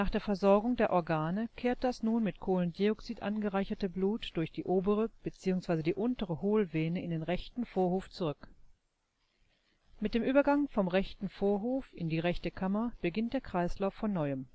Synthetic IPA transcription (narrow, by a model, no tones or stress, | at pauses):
naːχd̥eːɐfɛɐzɔɐɡʊŋdeːɐʔɔɐɡaːnəkʰeːɐt̚d̥asnuːnmɪtkʰoːlənɡ̥iɔksiːtʔa̰nɡəʁaɪçɐtəbluːtd̥ʊɐçd̥iːʔoːbəʁəb̥ət͡siːʊŋsv̥aɪzədiːʔʊntəʁəhoːlveːnəɪndeːnʁɛçtn̩foːɐhoːft͡suʁʏk | mɪtd̥eːmʔyːbɐɡaŋfɔmʁɛçtn̩foːɐɦoːfɪndiːʁɛçtəkʰamɐb̥əɡɪnt̚d̥eːɐkʁ̥aɪslaʊfːɔnːɔʏəm